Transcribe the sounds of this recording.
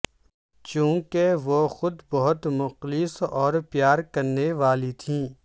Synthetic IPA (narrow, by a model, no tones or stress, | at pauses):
t͡ʃũːkeʋoxʊd̪bɐɦʊt̪mʊqlɪsɔːɾpjaːɾkɐɾneʋaːlit̪ʰĩː